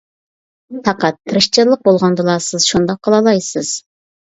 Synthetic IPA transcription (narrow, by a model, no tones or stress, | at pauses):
pʰɑqɑt̪ʰːɨɾɨʃt͡ʃʰɪɾlˠəq̚bolˠʁɑnd̪ɨlˠɑsɨz̥ʃund̪ɑqʰːəlˠɑlˠɑjsɨz̥